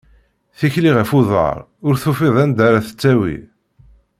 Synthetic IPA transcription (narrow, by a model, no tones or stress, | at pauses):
θiçliʁæfʊðˤə̰ɾˤ | ʊɾθufɪðˤænd̪aɾaθə̥t͡sːæwḭ